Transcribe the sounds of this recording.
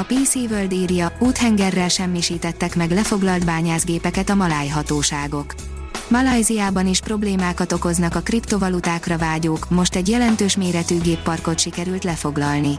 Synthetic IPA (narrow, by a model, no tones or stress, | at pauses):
ɒpiːsiːvøld̪iːrjɒuːt̪hɛŋɡɛrːɛlʃɛmːiʃiːt̪ɛt̪ːɛkmɛɡlɛfo̞ɡlɒlt̪baːɲaːzɡeːpɛkɛt̪ɒmɒlaːjɦɒt̪oːʃaːɡo̞k | mɒlɒjziaːbɒniʃpro̞bleːmaːkɒt̪o̞ko̞znɒkɒkript̪o̞vɒlut̪aːkrɒvaːɟoːkmo̞ʃt̪ɛɟjɛlɛnt̪øːʃmeːɾɛt̪yːɡeːpːɒrko̞t̪ʃikɛɾylt̪lɛfo̞ɡlɒlni